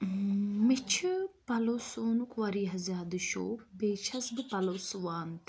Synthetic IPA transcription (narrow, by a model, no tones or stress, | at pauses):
mit͡ʃʰɨpɐlosoːnukʋɐɾiːɦɐzjaːd̪ɨʃo̰ːkbeːt͡ʃʰɐsbɨpɐlosuʋaːnt̪